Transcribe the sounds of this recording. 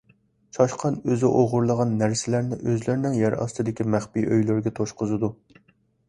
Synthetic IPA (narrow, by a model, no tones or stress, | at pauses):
t͡ʃʰɑʃqʰɑnøzɪʔoʁʊɾlˠəʁɑnːæɾsɪlæɾnɪʔøzlɪɾnɪŋjɛɾɑ̰st̪ɨd̪ɪkʲimæχpiʔøjlyɾɡʲɛt̪ʰoʃqʊzɨd̪u